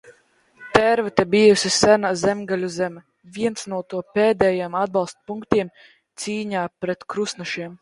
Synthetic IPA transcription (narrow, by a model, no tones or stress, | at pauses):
t̪ɛɾvɛt̪ɛbijusʲisænazɛmɡalʲuzɛmɛ | viɛnt̪snuɔt̪uɔpeːd̪ɛjimad̪̚bɑlˠst̪puŋkt̪iɛm | t̪siːɲaːpɾɛt̪kɾusnaʃiɛm